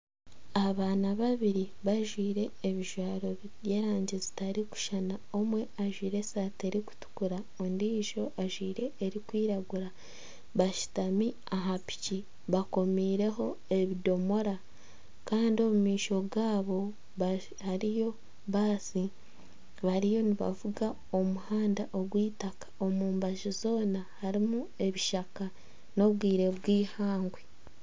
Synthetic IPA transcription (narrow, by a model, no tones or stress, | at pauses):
aβaːnaβaβiɾi | βaʒwiːɾe̞ːβiʒwaːɾo̞β | e̞ːɾaːɲɟezi̥taɾiku̥ʃanao̞mwe̞aʒwiːɾe̞saːte̞ɾiku̥tu̥kuɾa | ondiːʒo̞ʔaʒwiːɾe̞ːɾikwiːɾaɡuɾa | βaʃi̥tami | aɦapi̥ci | βako̞miːɾe̞ɦo̞e̞βido̞mo̞ɾa | kaːndio̞mumiːʃo̞ɡaːβo̞ | haɾijo̞ | βaːsi | βaɾijo̞niβa̰vuɡa | o̞muhaːndaʔo̞ɡwiːtakḁo̞muːmbaʒizo̞ːnahaɾimue̞βiʃaka | no̞βɡiːɾe̞βwiːhaːŋɡwe